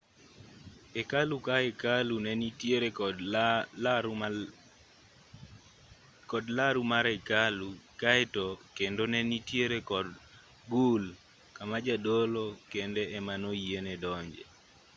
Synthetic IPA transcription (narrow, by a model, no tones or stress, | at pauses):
ɛkalukaɛkalunɛnitjeɾe | kɔdlaɾumaɾɛkalukaɛtɔkendonɛnitjeɾekɔd | ɡul | kamad͡ʒadolokendɛɛmanoienɛdɔɲd͡ʒḛ